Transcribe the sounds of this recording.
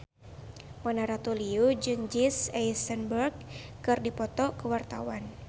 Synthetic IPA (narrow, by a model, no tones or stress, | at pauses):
manaɾat̪uliud͡ʒɨŋd͡ʒisɛjsənbərɡ̚kɨrdipɔt̪ɔkəwart̪a̰wan